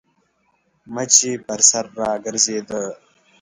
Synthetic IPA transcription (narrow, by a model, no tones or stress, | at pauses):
mɐt͡ʃipɐɾsɐɾːɑːɡɐɾzeːd̪ə